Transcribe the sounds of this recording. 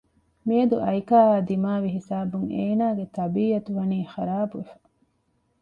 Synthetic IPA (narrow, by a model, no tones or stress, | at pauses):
miɐd̪uʔɐjkaːɦaːd̪imaːʋiɦisaːbuŋeːnaːɡet̪ɐbiːɐt̪uʋɐniːxɐɾaːbuʋefɐ̥